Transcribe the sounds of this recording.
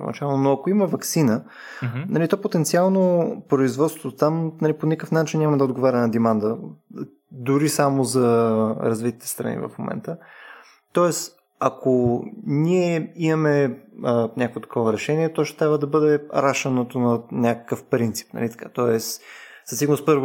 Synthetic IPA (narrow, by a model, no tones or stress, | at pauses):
o̰nɐ̰t͡ʃalˠnonoɐkoimɐvɐksinə | nɐlit̪ɔpot̪ɛnt̪sialˠnopɾoizvɔt̪st̪vot̪t̪amnɐliponʲikəfnat͡ʃinɲʲamɐd̪ɐod̪ɡovaɾʲɛnɐd̪ɛmand̪ə | d̪ʊɾisamozɐɾɐzvit̪i̥t̪ɛ̥st̪ɾɐ̰nḭvɐ̰fmo̰mɛ̰nt̪ə | t̪ɔɛs | ɐkʰoniɛimɐmɛ | nʲakovot̪ɐ̥kɔvəɾɛʃɛniɛt̪ɔʃt̪ɛ̥t̪ɾʲabvəd̪ɐbɤd̪ɛɾaʃɐnot̪onɐnʲakə̥kəfpɾint̪si̥pnɐ̰lit̪ɐ̥kat̪ɔɛsz̥ɐst̪iɡnəspɤɾvo